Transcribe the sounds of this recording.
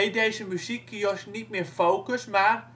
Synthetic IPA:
ejdejzəmyzikʰːijosnitmɪːfowkəsmar

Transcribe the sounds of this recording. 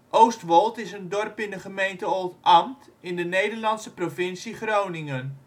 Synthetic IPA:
ʔowstʋɔlˠtɪsəndɔrpɪndəχəmejntəolˠtɑmtɪndənejdərlɑnsəprofɪnsiχrownɪŋən

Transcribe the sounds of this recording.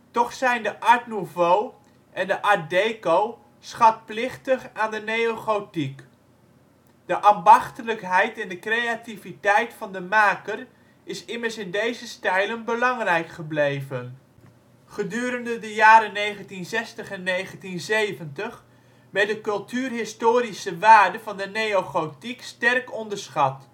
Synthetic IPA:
tɔχsɛjndəʔɑɹtnuvow | ʔɛndəʔɑɹ̚dejkow | sχɑt̚plɪχtəχaːndənejoχowtik | d̥əʔaːmbɑχtələkɦɛjtɛndəkrejativitɛjtfɑndəmaːkər | ɪsɪməɹsɪndejzəstɛjlənbəlɑŋrɛjkχəblejvən | χədyːɾəndədəjaːɾənejχəntinzɛstəχɛnːejχəntinzejvəntəχ | ʋɛtdəkɵlˠtyːrɦɪstoːɾisəʋaːɹdəvɑndənejoχotikstɛrkɔndəɹsχɑt

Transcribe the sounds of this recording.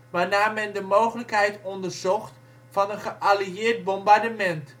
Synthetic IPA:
ʋaːrnaːmɛndəmowχələkɦɛjtɔndərzɔχt | fɑnənχəʔaliɪːt̚bɔmbardəmɛnt

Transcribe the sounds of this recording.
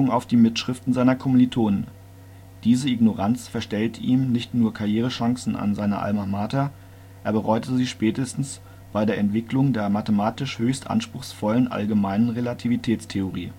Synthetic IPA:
ʊŋaʊfd̥iːmɪtʃʁ̥ɪftn̩zaɪnɐkʰɔmnitʰoːnən | d̥iːzəɪɡnoʁant͡sfɛɐʃtɛltʔiːmnɪçtnuːɐkʰaɐjeːʁ̞əʃaŋsn̩a̰nzaɪnɐ̰ʔa̰lmamaːtɐ | ʔeːɐbəʁɔʏtəziːʃpɛːtəstn̩s | b̥aɪdeːɐʔɛntv̥ɪklʊŋdeːɐmatəmaːtɪʃhøːçstʔa̰nʃpʁ̥ʊxsfɔlənʔa̰lɡəmaɪnənʁelatʰivitʰɛːt͡stʰeoʁiː

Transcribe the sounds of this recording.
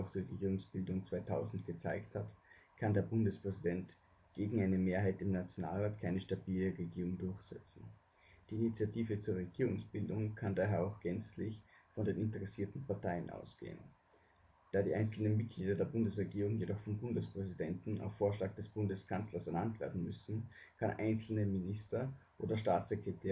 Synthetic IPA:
ɔʊxd̥ʊçʁeɡiːʁ̞ʊŋsb̥ɪldʊŋt͡sv̥aɪtʰaʊzn̩tɡ̥ət͡sa̰ɪkthatkʰandeːɐbʊndəspʁ̥ɛzidɛnt | ɡ̥eːɡŋ̩ʔaɪnəmeːɐɦaɪtɪmnat͡sjona̰ːlʁaːtkʰaɪnəʃtabiːləʁeɡiːʁʊŋdʊɐçz̥ɛ̰t͡sn̩ | d̥iːinit͡sjatʰiːvət͡suːɐʁeɡ̥iːʁʊŋsb̥ɪldʊŋkʰandaːɦeːɐaʊxɡ̥ɛnt͡slɪçfɔndeːnɪntəʁɛsiːɐtn̩pʰaɐtaɪənʔa̰ʊsɡ̥ḛːə̰n | d̥aːdḭːʔaɪnt͡sl̩nənmɪt̚ɡ̥liːdɐdeːɐbʊndəsʁeɡiːʁʊŋjedɔχfɔnbʊndəspʁ̥ɛzidɛntn̩a̰ʊfːoːɐʃlaːɡ̚d̥ɛsb̥ʊndəskʰant͡slɐsɛɐnantv̥ḛːɐdn̩mʏsn̩kʰanʔa̰ɪnt͡sl̩nəmɪnɪstɐʔoːdɐʃtaːt͡sekʁ̥ɛtʰeː

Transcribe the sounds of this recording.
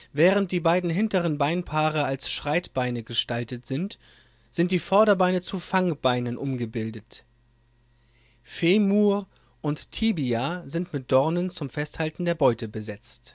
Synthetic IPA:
vɛːʁ̞ənt̚d̥iːbaɪdn̩ɦɪntəʁ̞ənbaɪnpʰaːʁəalsʃʁ̥aɪtb̥aɪnəɡəʃtaltətz̥ɪnt | z̥ɪnt̚d̥iːfɔɐɾɐbaɪnət͡sufaŋb̥aɪnənʔʊmɡəbɪldət | feːmuː | ʔʊnttʰiːbiazɪntmɪt̚d̥ɔɐnənt͡sʊmfɛsthaltn̩deːɐbɔʏtəbəzɛt͡st

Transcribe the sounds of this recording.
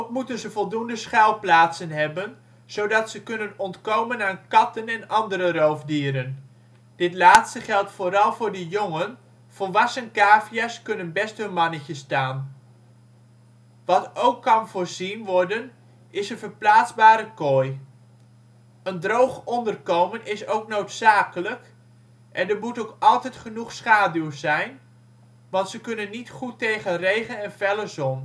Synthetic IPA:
okmutənzəvɔlˠdundəsχɛlˠplaːtsənɦɛbən | z̥owdɑtsəkɵnənɔntkowmənaːnkɑtənɛnɑndəɾərowfdiːɾən | d̥ɪtlaːtstəχɛlˠtfʊːɾɑlˠvʊːɹdəjoŋən | v̥ɔlˠʋɑsənkaːfijaskɵnənbɛstɦɵnmɑnəcəstaːn | ʋɑtowkːɑnvʊːɹzinʋɔɹdən | ɪsənvəɹplaːtzbaːɾəkoj | əndrowχɔndərkowmənɪsowknowtsaːkələk | ʔɛndəɹmutowkɑlˠtɛjtχənuχsχaːdywzɛjn | ʋɑntsəkɵnənːitχutːejχənrejχənɛnfɛləzɔn

